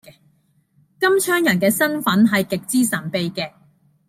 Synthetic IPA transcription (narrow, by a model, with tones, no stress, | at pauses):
ɛ˧ | kɐ˥mt͡ʃʰœː˥ŋjɐ˨˩nkɛː˧sɐ˥nfɐ˨˥nɦɐ˨jkɪ˨k̚t͡siː˥sɐ˨˩npe˧jkɛː˧